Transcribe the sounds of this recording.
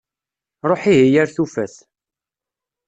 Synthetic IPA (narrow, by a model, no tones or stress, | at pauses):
ɾˤoħiɦijæɾθufæθ